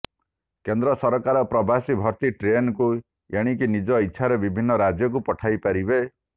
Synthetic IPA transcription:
kend̪ɾɔsɔɾɔkaɾɔpɾɔbʱasibʱɔɾt̪iʈɾenku | jeɽ̃ik̬inid͡ʒɔitːʃʰaɾebibʱinːɔɾad͡ʒjɔk̬upɔʈʰajpaɾibe

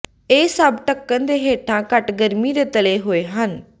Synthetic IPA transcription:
eːsəbʈəkːənd̪eːɦeːʈʰãːkəʈɡəɾmiːɾeːt̪əleːɦoːeːɦən

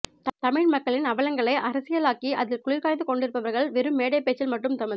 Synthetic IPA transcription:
t̪ɐmɪɻmɐkːɐɭɪnɐʋɐlɐŋɡɐɭɐɪʔɐɾɐsɪjɐlaːkiʔɐðɪlkʊɻɪɾkaːɻnd̪ɯkɔɳɖɪɾɯpːɐʋɐɾɣɐɭʋɛɾɯmːeːɽɐɪpːeːt͡ʃːɪlmɐʈːɯmt̪ɐmɪð

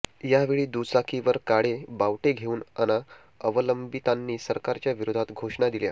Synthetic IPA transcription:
jaʋeɭiːd̪usakʰiʋəɾkaɽebaʋʈeɡʱeuːnana | əʋələmbit̪anːiːsəɾkaɾt͡ɕjaʋiɾod̪ʱat̪ɡʱoʂɳad̪ilja̰

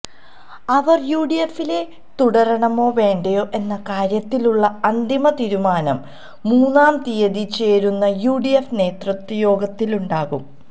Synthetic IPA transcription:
ɐʋɐrjuːɖijefile̞ | t̪uɽɐɾɐɳɐmo̞ːʋe̞ːɳɖɐjo̞ːʔe̞nːɐkaːɾjɐt̪ːiluɭːɐɐnd̪imɐt̪iːɾumaːnɐmː | uːnːaːmt̪ijɐðit͡ɕe̞ːɾunːɐjuːɖijefne̞ːt̪rɐt̪ːɐjo̞ːɡɐt̪ːiluɳɖaːɣum

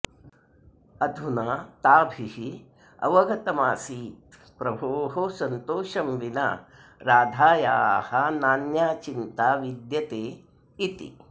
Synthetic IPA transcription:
ɐd̪ʱunaːt̪aːbʱihi | ɐ̰ʋɐɡʱɐt̪ɐmaːsiːt̪ | pɾɐbʱoːɦosɐnt̪oːʃɐmʋina̰ | ɾaːd̪ʱaːja̰ːhɐnaːnjaːt͡ʃint̪aːʋid̪jɐt̪eː | it̪ḭ

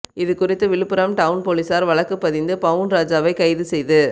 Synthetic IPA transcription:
ɪðɯkʊrɪt̪ːɯʋɪɭɯpːɯɾɐmʈɐʋʊnpoːlisaːɾʋɐɭɐkːɯpːɐðɪnd̪ɯpɐʋɯnɾaːd͡ʒaːʋɐɪkɐɪðɯsɛjðɯ

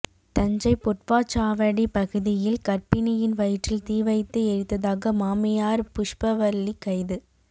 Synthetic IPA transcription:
t̪ɐɲd͡ʒɐɪpʊʈ̚paːt͡ʃːaːʋɐɽipɐɣɯðɪjɪlkɐɾpɪnɪjɪnʋɐjɪʈrɪlt̪iːʋɐɪt̪ːɯɛɾɪt̪ːɐðaːɣɐmaːmɪjaːɾpʊʂpɐʋɐlːikːɐɪðɯ

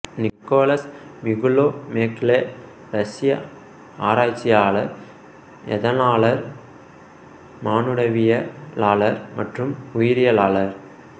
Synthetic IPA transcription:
nɪkːoːlɐsʋɪɣɯloːmeːkle | ɾɐsɪjɐ̰ | aːɾaːt͡ʃːɪjaːɭɐɾ | ɛ̰ðɐnaːɭɐɾ | maːnɯɽɐʋɪjɐlaːɭɐɾmɐʈrɯmʊjɪɾɪjɐlaːlɐɾ

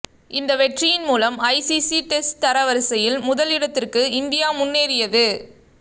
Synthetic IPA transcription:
ʔɪnd̪ɐʋɛʈrɪjɪnmuːlɐmɐɪsisiʈɛsʈt̪ɐɾɐʋɐɾsɐjɪlmʊðɐlɪɽɐt̪ːɪrkɯɪnd̪ɪjaːmʊnːeːɾɪjɐðɯ

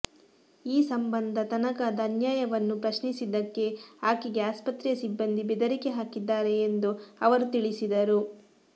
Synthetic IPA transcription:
iːsɐmbɐnd̪ʱɐt̪ɐnɐkaːd̪ɐːnjaːjɐʋɐnːupɾɐʃnisid̪ɐkːe̞aːkiɡe̞aːspɐt̪ɾjɐsibːɐnd̪ʱibed̪ɐɾikeɦaːkid̪ːaːɾe̞ːnd̪uɐʋɐɾut̪iɭisid̪ɐɾu

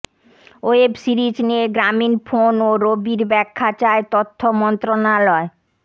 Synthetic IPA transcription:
oebsiɾid͡ʑneeɡɾaminfonoɾobiɾbɛkʰːat͡ɕaet̪ot̪ʰːomɔnt̪ɾonalɔe

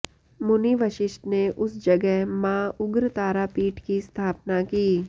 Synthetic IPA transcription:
mʊniʋəʃɪʃt̪neʔʊsd͡ʒɐɡɛɦmãːʊɡɾt̪aːɾapiːʈkist̪ʰaːpnakiː

